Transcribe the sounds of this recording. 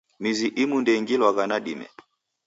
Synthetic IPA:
miziʔimundɛŋɡilwaɣanaɗimɛ̰

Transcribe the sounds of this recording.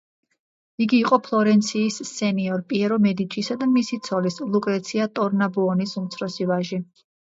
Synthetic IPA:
iɡiːqʼɔpʰlˠɔɾɛnt̪sʰiːsːɛniɔɾpʼiɛɾɔmɛd̪it͡ʃʼisad̪amisit̪sʰɔlislˠukʼɾɛt̪sʰiat̪ʼɔɾnabuɔnisumt̪sʰɾɔsivaʒi

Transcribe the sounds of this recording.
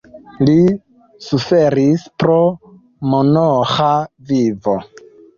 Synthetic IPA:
li | sufeɾispɾo̞ | monoxavivo

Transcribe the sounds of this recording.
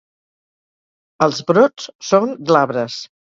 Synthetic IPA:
əlˠzbɾot͡ssoŋɡlaβɾəs

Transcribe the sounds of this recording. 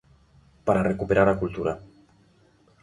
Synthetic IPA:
paɾarekupeɾaɾakult̪uɾa̰

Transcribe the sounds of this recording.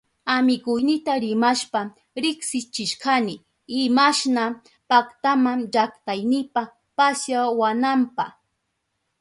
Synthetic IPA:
amɪkʊjnɪt̪aɾɪmaʃpa | ɾɪksɪt͡ʃɪʃkanɪ | ɪmaʃna | pakt̪amaŋʒakt̪ajnɪpa | pasjawanampaχ

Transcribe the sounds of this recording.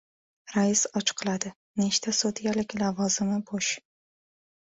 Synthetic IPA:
ɾaɪsɒt͡ʃʰqʰɨlˠad̪ɪ | neʃt̪ʰasot̪jalɪkʲlavɒzɪmɪboʃ

